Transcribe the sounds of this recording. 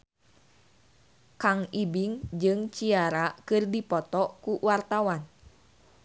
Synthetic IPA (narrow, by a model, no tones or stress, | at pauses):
kaŋibiŋd͡ʒɨŋt͡ʃiaɾakɨrdipɔt̪ɔkuwart̪awan